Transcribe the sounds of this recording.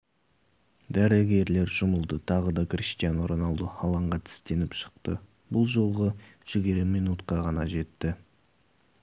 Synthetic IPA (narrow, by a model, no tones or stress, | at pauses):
d̪æɾɪɡʲe̞ɾle̞ɾʒʊməlˠd̪ət̪ʰɑʁəd̪ɑkrʲist̪ijanoɾənɑlˠd̪əɑlˠɑɴʁɑt̪ʰɪ̥st̪e̞nɪpʃə̥q̚t̪ə | bʊlˠʒo̞lˠʁəʒ̥ɪɡʲiɾɪmijnut̪qɑʁɑnɑʒe̞t̪ːɪ